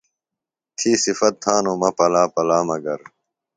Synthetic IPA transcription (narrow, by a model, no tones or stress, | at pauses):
t̪ʰiːsifɐt̪̚t̪ʰaːnoːmɐpɐlaːpɐlaːmɐɡɐɾ